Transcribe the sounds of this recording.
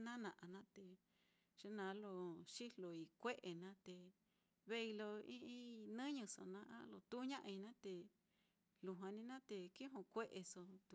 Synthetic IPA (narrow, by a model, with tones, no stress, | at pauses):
nã˦nã˨ʔa˨˧nã˦t̪e˨ | ʐ̥e˦nã˨˦lo˧ʂi˦lo˨i˧kʷe˦ʔe˨nã˦t̪e˨ | βe˦i˧lo˧ĩ˦ʔĩ˦nɨ̃˦ɲũ˧so̰˧nã˧˦ʔã̰˦lo˧t̪u˦ɲã˦ʔi˧nã˦t̪e˧ | lu˧ɦwã˧nĩ˦nã˦t̪e˨ki˦ũ˧kʷe˦ʔe˧so˧t̪u˧